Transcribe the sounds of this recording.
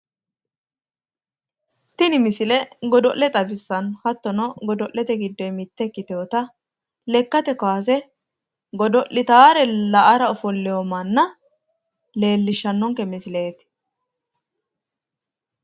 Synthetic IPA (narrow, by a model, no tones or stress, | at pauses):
t̪ɪnɪmɪsɪlɛɡɔd̪ɔʔlɛt̪ʼɐbɪsːɐnhɐt̪ːɔnɔɡɔd̪ɔʔlɛt̪ɛɡɪd̪ːɔjmɪt̪ːɛkːɪt̪oːt̪ɐ | lɛkːɐt̪ɛkɔwaːs̬ɛ | ɡɔd̪ɔʔɪt̪aːɾɛlɐʔɐɾɐɔfɔlːɛjɔmɐnːɐ | le̞ːlːɪʃːɐnːɔŋkɛmɪsɪle̞ːt̪